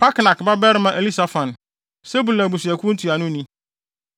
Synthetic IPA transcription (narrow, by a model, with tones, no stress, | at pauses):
pʰa˦kna˨kba˦bɛ˦ɾɪ˦mã˦ʔe˨li˦sa˨fã˨n | se˦bu˨lã˨bu˨si˨æ˨kʰʷũ˦n̩˦tʰu˨a˨nʊ̃˦nĩ˦